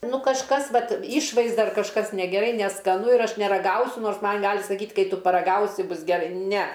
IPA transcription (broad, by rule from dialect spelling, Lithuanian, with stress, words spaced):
ˈnʊ kɐʃˈkɐs ˈʋɐt ˈɪʃʋɐɪzdɐ ɐr kɐʃˈkɐs nʲɛɡʲɛˈrɐɪ nʲɛskɐˈnʊ ɪr ˈɐʃ nʲɛrɐˈɡɐʊsʲʊ ˈnoːrs ˈmɐn ˈɡɑːlʲɪ sɐˈkʲiːtʲ ˈkɐɪ ˈtʊ pɐrɐˈɡɐʊsʲɪ ˈbʊs ɡʲɛˈrɐɪ ˈnʲɛ